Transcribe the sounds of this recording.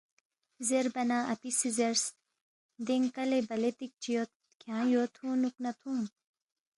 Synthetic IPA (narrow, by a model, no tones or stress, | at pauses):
zeɾbɐnãːʔɐp̪isizeɾs | d̪eŋkɐlebɐlet̪ik̚t͡ɕʰijot̪̚ | kʰjãːjoːt̪ʰhũːnuknɐt̪ʰhũːn